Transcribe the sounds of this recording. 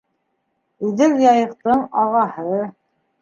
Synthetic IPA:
iðɘɾjɑjɤ̆qt̪ɤɴɑʁɑhɤ

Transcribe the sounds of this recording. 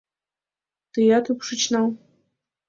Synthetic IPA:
t̪ɨjat̪ɨpʂɨt͡ɕnaw

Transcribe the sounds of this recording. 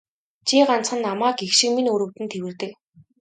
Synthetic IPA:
t͡ɕʰiːɢan̥t͡sχə̆nːamaːkexʃĭkminɵɾɵ̆wt̪ɘ̆nt̪ʰewɘ̆rt̪ɘ̆k

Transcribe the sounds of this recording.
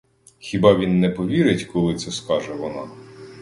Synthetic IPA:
xʲibɑʋʲinːɛpɔʋʲiɾɪtʲkɔlˠɪt̪sɛskɑʒɛʋɔnɑ̰

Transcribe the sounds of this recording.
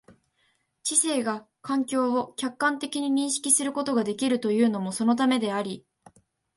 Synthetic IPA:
t͡ɕise̞ːɡa | kãŋkʲo̞ːokʲakːãnt̪e̞kʲiɲ̟iɲ̟ĩɰ̃ɕi̥kʲisɨɾɯ̟ko̞t̪o̞ɡad̪e̞kʲiɾɯ̟t̪o̞jɯ̟ːno̞moso̞no̞t̪̬ame̞d̪e̞aɾʲi

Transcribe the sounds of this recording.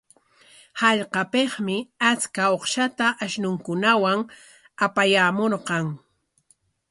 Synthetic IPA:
hɑʎqɑpeχmɪat͡skaoχʃat̪aʔaʃnʊŋkʊnawaŋ | apajamoɾqɑŋ

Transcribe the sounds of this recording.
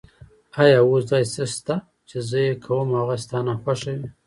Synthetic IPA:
ajɑwosd̪ɑjsəst̪a | t͡ʃezəjekʰawəmhaɣast̪ɑnaxwaʃawi

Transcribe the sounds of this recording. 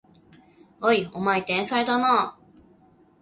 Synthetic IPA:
aiomait̪ẽɰ̃saɾet̪anaː

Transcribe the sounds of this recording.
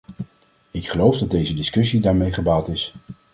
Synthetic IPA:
ɪkχəlowfdɑd̚dejzədɪskɵsidaːɹmejχəbaːlˠtɪs

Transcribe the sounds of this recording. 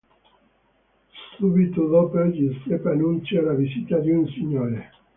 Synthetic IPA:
subit̪od̪opd͡ʒisepanunt͡ʃalavizit̪ad̪iunsiɲːoːɾe

